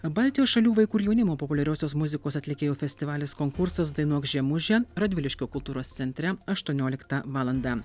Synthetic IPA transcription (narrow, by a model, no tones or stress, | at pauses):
bɐːlʲt̪ʲɪjoːsʃɐlʲuːʋɐɪkuːɾjɛʊnʲɪmoːpɔpʊlʲɛɾʲɛːsʲoːsmʊzʲɪkoːsɐt̪ʲlʲɪkʲeːjoːfʲɛsʲt̪ʲɪʋɑːlʲeːskoːŋkʊɾsɐs̬d̪ɐɪnuɔksʒʲiɛmʊʒʲɛɾɐd̪ʲʋʲɪlʲɪʃʲkʲoːkʊlˠt̪uːɾoːst̪sʲɛnʲt̪ʲɾʲɛɐʃt̪uɔnʲoːlʲɪkt̪ɐʋɑːlˠɐnd̪ɑ